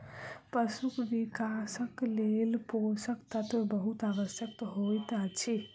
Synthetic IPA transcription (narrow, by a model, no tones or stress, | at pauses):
pəsukʋikasəklelposəkt̪at̪obəɦut̪aʋəsjəkt̪ɦojt̪at͡ʃʰi